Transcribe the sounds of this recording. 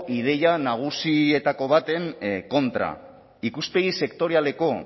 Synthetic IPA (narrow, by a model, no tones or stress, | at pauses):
ʔið̞e̞janaɣ̞usie̞t̪ako̞β̞at̪e̞ŋko̞nt̪ɾa̰ | ikuspe̞ɣise̞kt̪o̞ɾiale̞ko̞